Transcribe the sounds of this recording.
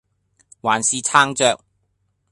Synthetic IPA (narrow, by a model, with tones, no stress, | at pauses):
waː˨˩nsiː˨˧t͡sʰaː˥ŋt͡ʃœː˧k̚